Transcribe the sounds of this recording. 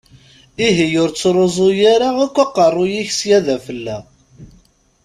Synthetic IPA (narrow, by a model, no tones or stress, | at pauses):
iɦijʊɾt͡sːɾˤozˤʊjaɾaækʷːaqːərˤːʊjiçəsjæðæfəlːæ